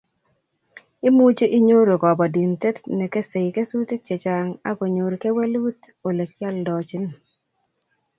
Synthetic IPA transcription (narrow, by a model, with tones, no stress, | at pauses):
i˦mu˦t͡ʃe˦ʔi˦ɲo˦ɾo˨kɔ˨bɔ˨di˨nte˦tnɛ˨ke˦se˨jke˦su˦te˦k̚t͡ʃe˨t͡ʃa˨ŋa̰˦ko˨ɲo˨ɾke˦we˦lwu˦to˨le˨k̚t͡ʃja˦ldɔ˨t͡ʃi˦n˦˨